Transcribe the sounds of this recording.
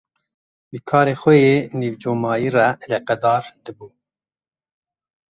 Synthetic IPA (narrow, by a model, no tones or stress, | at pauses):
bɨkʰɑːɾeːxʷɛjeːniːvd͡ʒoːmɑːjiːrɛleqɛd̪ɑːɾd̪̥ɨbuː